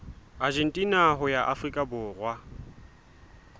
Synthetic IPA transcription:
ad͡ʒɛn̩tʼinaɦʊjaʔafrikʼabʊːrwa

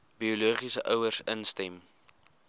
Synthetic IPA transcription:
bioluːχisəʔœwərsənstɛm

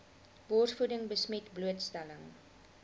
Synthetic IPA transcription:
bɔrsfudəŋbəsmɛtbluətstæləŋ

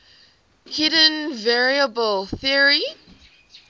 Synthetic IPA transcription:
hʰɪɾə̃nvɛɹiəbəlˠθɪəɹi

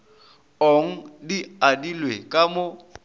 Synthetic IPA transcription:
oŋ̩diadilwekʼamo

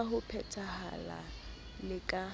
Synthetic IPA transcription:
hʊpʰɛtʰaha̰la̰ | lɪkʼa

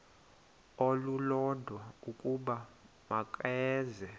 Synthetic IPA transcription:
olulɔdʱwaukʼuɓa | makʼɛːzɛ

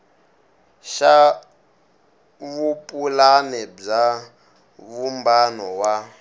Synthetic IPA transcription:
ʃa | βupʼulanɛb͡ʐa | βumbanɔwa

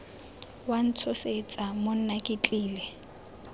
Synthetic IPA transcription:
wan̩t͡sʰʊset͡sʼamon̩nakʼɪt͡ɬʼiːlɛ

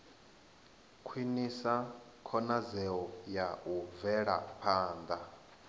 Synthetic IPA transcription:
kʰwinisa | kʰɔnazɛɔjauvɛɺa̰pʰaːnd̪a

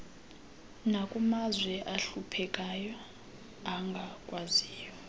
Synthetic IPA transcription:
nakʼumazwɛʔaɬupʰɛkʼajɔ | aŋɡʱakʼwaziːjwɛ

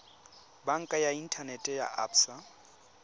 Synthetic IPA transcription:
baŋ̩kʼajain̩tʰanɛtʼɛja̰a̰ːpʰsa

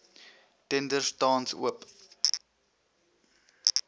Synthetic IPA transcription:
tɛndərstɑːnsṵəp

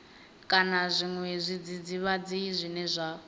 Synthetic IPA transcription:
kʼanazʷiŋwɛzʷid͡zid͡ziβad͡ziizʷinɛzʷa

